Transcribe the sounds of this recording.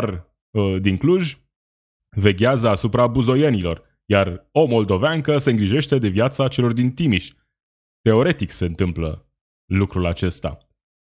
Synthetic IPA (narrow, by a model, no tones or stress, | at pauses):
r | d̪iŋkluʒʲ | ve̞ɡʲazəasupɾabuzo̞jenilo̞̰r | jaro̞mo̞ld̪o̞vaŋkəseɨŋɡɾiʒe̞ʃt̪e̞d̪e̞vjat̪sat͡ʃe̞lo̞rd̪int̪imiʃʲ | t̪e̞o̞ɾe̞t̪ikse̞ɨnt̪ɨmplə̰ | lukɾulat͡ʃe̞st̪a̰